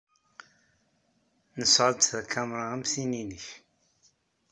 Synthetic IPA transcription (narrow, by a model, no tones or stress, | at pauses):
nəsʕəd̪θækʰæmɾˤaæmsininəç